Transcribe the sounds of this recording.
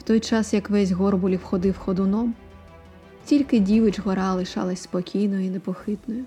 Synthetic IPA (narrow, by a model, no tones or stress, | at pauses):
wt̪ɔjt͡ʃɑsjɐkʋɛzʲɦɔrbʊlʲiwxɔd̪ɪwxɔd̪ʊnɔm | tʲilʲkɪdʲiʋɪt͡ʃɦɔɾɑlˠɪʃɑ̰lˠɐsʲspɔkʲʰijnɔjʊinepɔxɪt̪nɔjʊ